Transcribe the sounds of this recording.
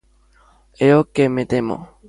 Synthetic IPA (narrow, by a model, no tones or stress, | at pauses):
eokemet̪emo̰